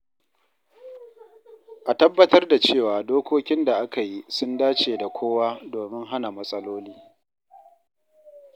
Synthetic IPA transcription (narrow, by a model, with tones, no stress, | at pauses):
ʔa˨tɐ˦bːɐ˦tɐ˦rda˨t͡ʃeː˦˨waː˨doː˦kʷoː˦kʲɪ˦nda˨ʔa˦ka˨ji˦sʊ˦ndaː˦t͡ʃeː˨da˨kʷʰoː˦waː˦doː˨mɪ˦ŋɦa˦na˨mɐ˦sʼɐ˦loː˦liː˦